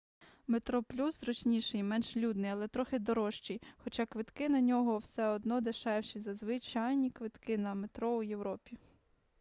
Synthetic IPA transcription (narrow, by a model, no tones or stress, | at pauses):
met̪ɾɔplʲusɾɔt͡ʃʲnʲiʃɛjmɛnʒlʲud̪nɪjɐlˠɛt̪ɾɔxɪd̪ɔɾɔʃt͡ʃijxɔt͡ʃakʋɪt̪kɪnɐnʲɔɦɔwsɛɔd̪nɔd̪eʃɛwʃizɐzʋɪt͡ʃajnʲikʋɪt̪kɪnɐmet̪ɾɔujewɾɔpʲi